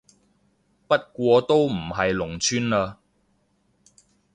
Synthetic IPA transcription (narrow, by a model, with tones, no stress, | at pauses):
pɐ˥t̚kʷɔː˧t̪o˥wm̩˨˩ɦɐ˨jlʊ˨˩ŋt͡ʃʰyː˥nlaː˧